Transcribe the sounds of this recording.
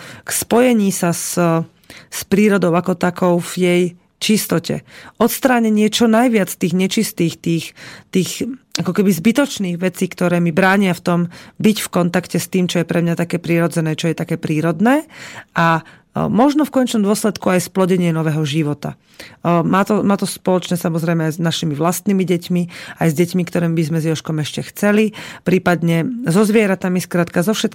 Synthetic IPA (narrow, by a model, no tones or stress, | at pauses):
kspɔjɛɲiːsas | spɾiːɾɔd̪ɔʊakɔt̪akɔʊvjɛj | t͡ʃist̪ɔcɛ̰ʔɔt̪st̪ɾaːɲɛɲɪɛt͡ʃɔnajʋɪat͡st̪iːɣɲɛt͡ʃist̪iːxt̪iːxt̪iːxakɔkɛbizbit̪ɔt͡ʃniːɣʋɛt͡siːkt̪ɔɾɛːmibɾaːɲɪaft̪ɔmbicfkɔnt̪akcɛst̪iːmt͡ʃɔjɛpɾɛmɲat̪akɛːpɾiɾɔd͡zɛnɛːt͡ʃɔjɛt̪akɛːpɾiːɾɔd̪nɛːʔa | mɔʒnɔfkɔɲɛt͡ʃnɔmd̪ʊɔslɛt̪kuajsplɔɟɛɲɪɛnɔʋɛːɦɔʒiʋɔt̪a̰ | maːt̪ɔmaːt̪ɔspɔlɔt͡ʃnɛːsamɔzɾɛjmɛajznaʃimiʋlast̪niːmiɟɛcmiajzɟɛcmikt̪ɔɾɛːmbizmɛzjɔʃkɔmɛʃcɛxt͡sɛlipɾiːpad̪ɲɛzɔzʋɪɛɾat̪amiskɾaːt̪kazɔfʃɛt̪